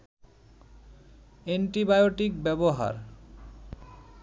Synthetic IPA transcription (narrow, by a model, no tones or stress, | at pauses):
eɳʈibajoʈikbɛboɦa̰ɾ